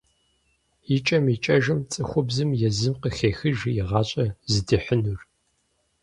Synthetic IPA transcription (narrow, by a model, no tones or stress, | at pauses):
it͡ʃʼɐmit͡ʃʼɐʒɨmt͡sʼɨxʷʊbzɨmjɛzɨmqəxeːxɨʒjɪʁɑːɕʼɐzɨdɨħənur